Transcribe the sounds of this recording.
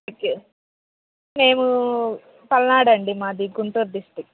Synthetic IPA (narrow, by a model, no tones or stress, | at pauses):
ku | me̞ːmu | pɐlnaːɽɐɳɖimaːd̪iɡuɳʈuːɾɖisʈik̚